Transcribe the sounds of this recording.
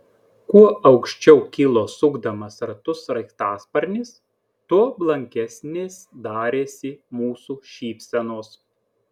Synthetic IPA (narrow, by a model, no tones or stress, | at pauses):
kuɔɐʊkʃʲt͡ʃʲɛʊkʲɪlˠoːsʊɡd̪ɐmɐsɾt̪ʊsɾɐɪkt̪ɑːspɐɾʲnʲɪs | t̪uɔblˠɐŋʲkʲɛsʲnʲeːsd̪ɑːɾʲeːsʲɪmuːsuːʃʲiːpʲsʲɛnoːs